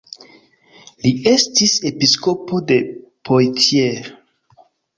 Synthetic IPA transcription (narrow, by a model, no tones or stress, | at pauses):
liʔe̞stise̞pisko̞po̞de̞pʰojtʰje